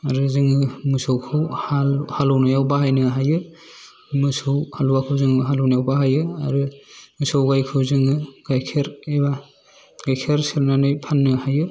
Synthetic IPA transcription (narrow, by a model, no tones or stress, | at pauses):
aɾɯzɯŋɯmɯsowkʰɯwhalhalɔwnajawbaɦajnɯɦajɯ | mɯsɯwhaluwakʰɯwzɯŋɯɦalɔwnajawbaɦajɯa̰ɾɯmɯsowɡajkʰɯwzɯŋɯɡ̥ajkʰeɾeba | ɡ̥ajkʰeɾsɯɾnanɯjpʰanːɯhajɯ